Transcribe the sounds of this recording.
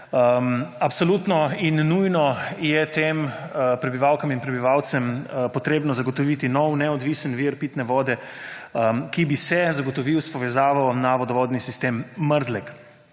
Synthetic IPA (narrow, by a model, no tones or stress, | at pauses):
mapsolut̪nɔinːujnɔjɛt̪empɾɛbiʋawkaminpɾɛbiʋawt̪sɛmpɔt̪ɾeːbnɔzaɡɔt̪ɔʋit̪inɔwnɛɔd̪ʋisənʋiɾpiːt̪nɛʋɔːd̪ɛ | kibisɛzaɡɔt̪ɔʋiwspɔʋɛzaːʋawnaʋɔd̪ɔʋɔːd̪nisist̪emːəɾzlɛk